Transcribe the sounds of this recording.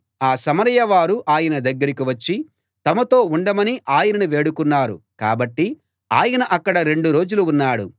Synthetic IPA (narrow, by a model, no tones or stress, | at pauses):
aːsɐmɐɾɐjɐʋaːɾuʔaːjɐnɐd̪ɐɡːɐɾikiʋɐt͡ʃːi | t̪ɐmɐt̪o̞ːuɳɖɐmɐniʔaːjɐnɐnuʋe̞ːɽukunːaːɾṵka̰ːbɐʈːi | aːjɐnɐʔɐkːɐɽɐɾe̞ɳɖuɾo̞ːd͡ʒuluːnːaːɽṵ